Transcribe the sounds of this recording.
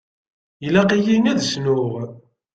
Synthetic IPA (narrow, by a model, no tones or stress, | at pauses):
jlæqijinæðsnʊʁ